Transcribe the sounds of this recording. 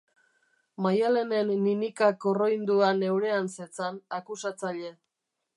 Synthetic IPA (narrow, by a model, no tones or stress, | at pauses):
majale̞ne̞nːinikakoro̞jnd̪uane̞wɾe̞anset͡sanakusat͡saʎe̞